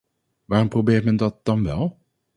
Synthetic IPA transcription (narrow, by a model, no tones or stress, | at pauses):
ʋaːrɔmprowbɪːrtmɛndɑt̚d̥ɑnʋɛlˠ